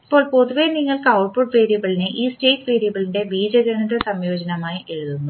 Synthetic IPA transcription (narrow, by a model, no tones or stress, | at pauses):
ipːo̞ːɭpo̞ðuʋeniŋːɐɭkɐwʈ̚puɖʋe̞ːɾijɐɣɐɭineʔiːsʈe̞ːʈːʋeːɾijɐɣɐɭinde̞biːd͡ʑɐɣɐnɐd̪ɐsɐmjo̞ːd͡ʑɐnɐmaːjiʔe̞ɻuðunːu